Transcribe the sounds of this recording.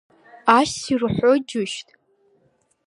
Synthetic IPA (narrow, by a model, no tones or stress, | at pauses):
aʃirħʷod͡ʒʊʃtʼ